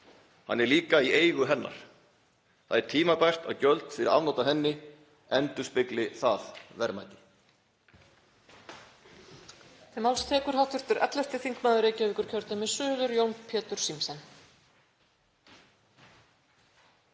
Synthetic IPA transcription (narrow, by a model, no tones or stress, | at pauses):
hanːɛɾliːkaieːjɣʏɦɛnːa̰ɾ̥ | θaðɛɾ̥t̪ʰiːmapajr̥t̪a̰wcœlt̪fɪɾɪɾa̰vnowt̪aɦɛnːɪ | ɛnt̪ʏspɪklɪθaðvɛɾmajt̪ɪ̥ | θɛmawlst̪ʰɛːkʏɾ̥ɦawht̪vʏr̥t̪ʏɾʔɛ̰t̪lɛst̪ɪθiŋ̥kmaːðʏɾeːjcœviːkʏɾ̥cʰœɾt̪amɪsʏːðʏɾjownpʰɛːt̪ʏɾ̥simsɛn